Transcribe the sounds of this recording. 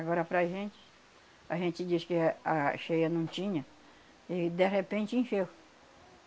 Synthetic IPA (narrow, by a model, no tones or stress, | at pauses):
aɡɔɾɐpɾaʒẽnt͡ʃɪ̥ | aʒẽnt͡ʃɪd͡ʒiskɪaʃejɐnɐ̃w̃t͡ʃĩɲɐ | ɪd̪eɦepẽnt͡ʃɪĩʃe